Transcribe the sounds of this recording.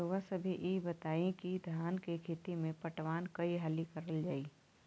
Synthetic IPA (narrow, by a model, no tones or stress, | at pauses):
oʋasəbʱiʔebɐt̪aːẽkid̪ʱjaːnkekʰeːt̪imẽpɐʈʋaːnkɐiɦalikɐɾəld͡ʒaːi